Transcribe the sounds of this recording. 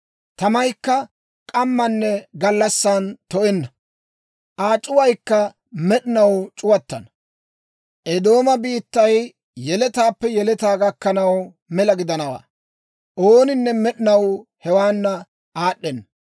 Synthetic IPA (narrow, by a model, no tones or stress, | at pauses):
t̪ɐmɐjkːɐ | kʼɐmːɐnːɛɡɐlːɐsːaːnt̪ɔʔɛnːɐ | ʔaːt͡ʃʼːʊwɐjkːɐ | mɛɗɪnɐwt͡ʃʼʊwɐt̪ːɐ̰nɐ | ʔɛd̪o̞ːmɐbiːt̪ːɐj | jɛlɛt̪aːpːɛjɛlɛt̪aːɡɐkːɐnɐw | mɛlɐɡɪd̪ɐnɐwa̰ː | ʔoːnɪnːɛmɛɗɪnɐwhɛwaːnːɐ | aːɗːɛnːɐ